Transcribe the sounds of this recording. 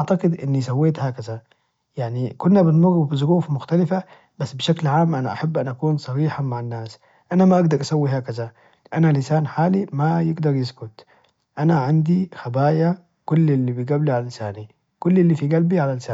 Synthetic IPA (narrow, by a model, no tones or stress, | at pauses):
ʔaʕt̪aɡɪd̪ʔɪnːisawːeːt̪haːkaza | jaʕnikʊnːabɪnmʊrːubɪzˤʊɾuːfmʊxt̪alɪfa | basːbɪʃaklʕaːmːʔanaʔaħabːʔanʔakuːnsˤɑɾiːħamaʕanːaːs | ʔanamaʔaɡd̪ɑɾˤʔasawːiɦaːkaza | ʔanalɪsaːnħaːlimajɪɡd̪ɑɾˤjɪskʊt̪ | ʔanaʕand̪ixabaːja | kʊlːɪlːibijɡaːbliʕalalɪsaːni | kʊlːɪlːifiɡalbiʕalalsaː